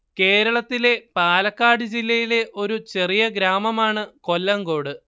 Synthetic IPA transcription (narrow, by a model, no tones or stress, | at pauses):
ke̞ːɾɐɭɐt̪ːile̞paːlɐkːaːɽɨd͡ʑilːɐjile̞ʔo̞ɾut͡ɕe̞rijɐɡɾaːmɐmaːɳɨko̞lːɐŋɡo̞ːɽɨ